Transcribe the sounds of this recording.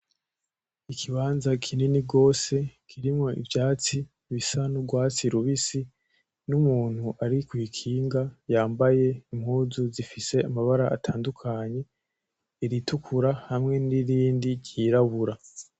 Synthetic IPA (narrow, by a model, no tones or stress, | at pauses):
ikʰiβaːnzakʰininiɡo̞ːse̞kʰiɾimŋo̞ʔḭvjaːt͡si | βisanuɡwaːt͡siɾuβisi | numuːn̥huʔaɾikwiːkʰiːŋɡajaːmbaje̞im̥huːzuzifise̞amaβaɾaʔatʰaːndukʰaɲe̞ | iɾitukʰuɾahamŋe̞niɾiːndiɟiːɾaβuɾa